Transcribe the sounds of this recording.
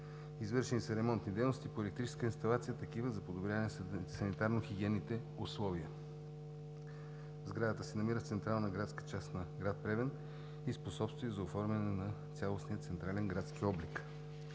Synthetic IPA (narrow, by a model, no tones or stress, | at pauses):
izvɤɾʃɛnisɐɾɛmɔnt̪nid̪ɛjnost̪ipoɛlɛkt̪ɾit͡ʃɛ̥skəinst̪ɐlˠat̪sijət̪ɐkivəzɐpod̪obɾʲjavɐnɛsɐnit̪aɾnoxiɡʲiɛnːit̪ɛ | ʊslˠɔviə | vzɡɾad̪ət̪əsɛnɐmiɾəft̪sɛnt̪ɾalˠnɐɡɾat̪skə̥t͡ʃast̪nɐɡɾat̪̚pɾɛvɛn | isposɔpst̪vujəzɐofɔɾmʲɛnɛnɐt̪sʲalˠosnijət̪sɛnt̪ɾalɛnɡɾat̪skiɔblik